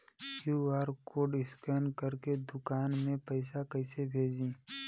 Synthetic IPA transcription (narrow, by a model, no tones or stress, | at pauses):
juːaːɾkoɖɪskənkəɾked̪ʊkaːnmẽpəɪsakəɪsebʱeːd͡ʒĩː